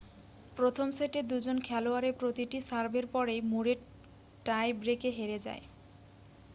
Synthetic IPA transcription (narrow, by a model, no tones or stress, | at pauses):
pɾot̪ʰomseʈed̪ud͡ʑonkʰɛloaɾepɾot̪iʈisaɾbeɾpɔɾemuɾe | ʈajbɾekeɦeɾed͡ʑa̰e